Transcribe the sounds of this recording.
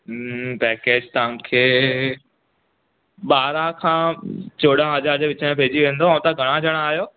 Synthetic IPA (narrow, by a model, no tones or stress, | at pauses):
pɛːkeːd͡ʑt̪ɐʋ̤ãkʰeː | ɓaːɾãkʰãːt͡ɕoːɽãɦɐd͡ʑaːɾd͡ʑeʋɪt͡ɕəɽẽpeːd͡ʑiʋẽːnd̪oãt̪aɡʱɐɽ̃ãd͡ʑʱəɽ̃aːɦijoː